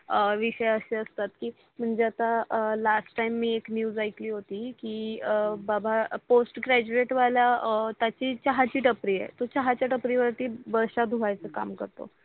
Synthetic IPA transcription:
əʋiɕəjəɕeəst̪at̪kiː | m̤əɳd͡zeat̪alasʈːajmːiːeknjuːd͡zajkliːɦot̪iːkiːbabʱaposʈɡɾæd͡ʑueʈʋaljat̪jat͡ɕiːt͡ɕaɦat͡ɕiːʈəpɾiːḛt̪ot͡ɕaɦat͡ɕjaʈəpɾiːʋəɾʈ̪iːbəɾɕad̪ʱuʋajt͡səka̰mkəɾt̪o̰

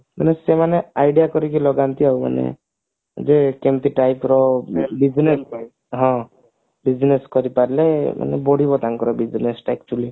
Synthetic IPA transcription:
manesemaneajɖijakɔɾikilɔɡant̪iauma̰nḛ | d͡ʒekemt̪iʈajpɾɔbiznes | ɦɔ̃ | bid͡ʒneskɔɾipaɾilema̰nɛ̰bɔɽibɔt̪aŋkɔɾɔbid͡ʒnesʈaɛk̚t͡ʃuuli

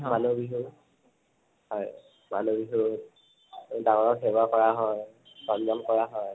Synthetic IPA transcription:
manubiɦu | hɔj | ma̰nubiɦu | daŋɔɹɔkɦɛbwakɔɹaɦɔj | sɔnd͡ʒɔmkɔɹaɦɔj

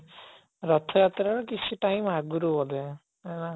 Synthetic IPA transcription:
ɾɔt̪ʰɔjat̪ɾaɾɔkit͡ʃʰiʈajmaɡuɾubɔd̪e | ana

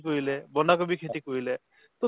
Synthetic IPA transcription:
koɦilebɔnakɔbikʰeʈ̪ikoɦile | t̪ɔ

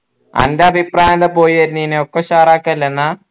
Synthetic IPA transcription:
ɐ̰ndeɐbʱipraːjɐnd̪ɐpo̞ːjiʋɐɾninːeokːeɕaːɾaːkːɐlːenːa

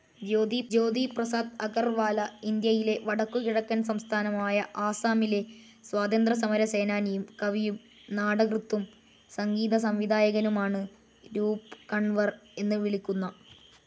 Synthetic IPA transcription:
d͡ʑoːd̪id͡ʑo̞ːd̪iprɐsaːd̪ɐɡɐrʋaːlɐind̪jɐjile̞ʋɐɽɐkːukiɽɐkːɐnsɐmst̪ʰaːnɐmaːjɐʔaːsaːmile̞ | swaːd̪ɐnd̪rɐs̬ɐmɐɾɐse̞ːnaːnijumkɐʋijum | naːɽɐɡrɨt̪ːum | sɐŋɡiːd̪ɐs̬ɐmʋid̪aːjɐɣɐnumaːɳɨ | ɾuːpkɐɳʋɐre̞nːɨʋiɭikʲːunːɐ

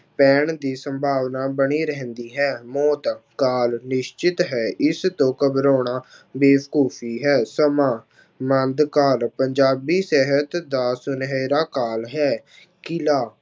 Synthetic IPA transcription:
pɛːɳd̪iːsəmbʱaːʋnaːbəɽiːɾɛɦə̃nd̪iːɦɛːmɔːt̪kaːlnɪʃt͡ʃɪt̪ɦɛːʔɪst̪õːkəbɾoːɳaː | beːbkoːpʰiːɦɛːsəmãː | mənd̪kaːlpəɲd͡ʒaːbiːsɛɦət̪d̪aːsʊnɦeːɾaːkaːlɦɛː | kɪlaː

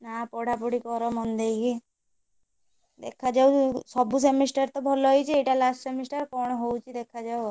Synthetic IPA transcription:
napɔɽʱapuɽikɔɾɔmɔnd̪ejki | d̪ḛkʰad͡ʒawsɔbus̬emisʈaɾt̪ɔbʱɔlɔɦɔjt͡ʃʰieʈalasʈsemisʈaɾkɔɳ̃ɦowt͡ʃʰid̪ekʰad͡ʒaw

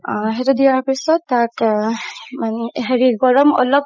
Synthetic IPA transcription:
ɦetudijaɹpisɔtːak | maneɦeɹiɡɔɹɔmɔ̰lɔp̚

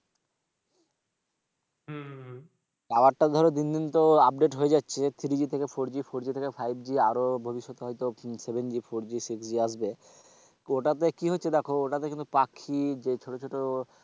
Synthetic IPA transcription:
aoaʈʈːad̪ʱɔɾod̪ind̪int̪oap̚ɖeʈɦoed͡ʑatːɕʰet̪ʰiɾid͡ʑit̪ʰekefoɾd͡ʑifoɾd͡ʑit̪ʰekefʰajb̚d͡ʑiaɾobʱobiʃːot̪oɦɔjt̪osebend͡ʑifoɾd͡ʑisiksd͡ʑiaʃbe | oʈat̪ekiɦotːɕʰed̪ɛkʰooʈat̪ekint̪upakʰːid͡ʑet͡ɕʰoʈot͡ɕʰoʈo

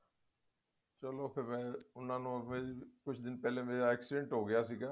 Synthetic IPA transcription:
t͡ʃəloːpʰɪɾmɛ̃ːʊnãːnũːmekʊt͡ʃʰd̪ɪnpɛːlẽːmeːɾaːɛːksiɖɛ̃ɳʈɦoːɡɪjaːsiːɡaː

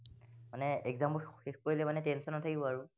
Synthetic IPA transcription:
manɛɛɡzampɔexkoɹilɛmanɛtɛnsɔnɔtʰakibɔaɹʊ

